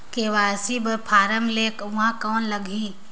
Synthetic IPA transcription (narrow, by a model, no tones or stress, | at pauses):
keʋaːsibəpʰaːɾəmleːkɦãkɔːnləɡʱiː